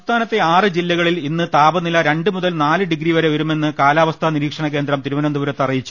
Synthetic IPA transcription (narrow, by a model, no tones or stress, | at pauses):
st̪ʰaːnɐt̪ːe̞aːrɨd͡ʑilːɐɣɐɭilinːɨt̪aːbɐnilːɐɾe̞ɳɖɨmuðɐlnaːlɨɖiɡɾiʋɐɾeʋɐɾume̞nːɨkaːlaːʋɐst̪ʰɐniɾiːkʂɐɳɐkend̪rɐmt̪iɾuʋɐnɐnd̪uʋɐɾɐt̪ːɐrijit͡ɕːu̥